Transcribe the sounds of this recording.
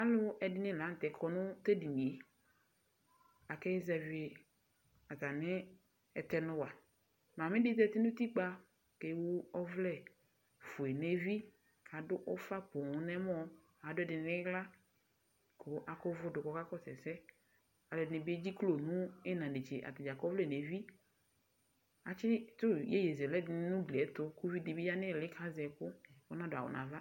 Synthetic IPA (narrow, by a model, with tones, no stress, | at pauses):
a˦lʊ˦ɛ˨dɪ˦nɪ̃˦˨la˨˦n̩˨t̪ɛ˨kʰɔ˨nʊ̃˦t̪e˦di˨nĩ˨e˨ | a˨kɛ˦zɛ˨vɪ˨ | a˨ta˨nɪ̃˦ | ɛ˨t̪ɛ˦nʊ̃˦wa˨ | mã˨mɪ̃˦dɪ˦t̪ɛ˦˨t̪ɪ˦nʊ̃˦t̪i˦k͡pa˦ | ke˨˦wu˦ɔ˦vlɛ˦˨ | fʊ˨e˨ne˦vi˦ | a˨dʊ˦ʔɔ˦fa˦pʊ˨ŋ˦nɛ˦mɔ˦ | a˨dʊ˦ɛ˦˨dɪ˨n˨le˦la˦ | ko˨˦ʔa˨kɔ˦vʊ˦dʊ˨kɔ˨˦ka˦kɔ˦sɛ̰˨sɛ˦ | a˨lɔ˨dɪ˨nẽ˨bi˦e˦d͡ʑi˦klo˨nũ˦e˦nã˨ɖe˨t͡ʃe˨ʔa̰˨t̪ɪ˨d͡ʒa˨kɔ˦vlɛ˦˨ne˨vi˦ | a˨t͡ʃɪ˦t̪ʊ˦je˦je˨ze˨lɛ˦˨˦nũ˦ɡle˨ɛ˦t̪ʊ˦ku˦vi˦di˨bi˦ja˦nɪ̃˦˨lɪ˦kʰa˦zɛ˨kʊ˦wo˦nã˦dʊ˨a˨o̰˨nʔã̰˨va˦